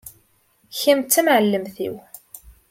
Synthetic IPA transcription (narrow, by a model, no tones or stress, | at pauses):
çimt͡sːəmʕəlːəmθḭw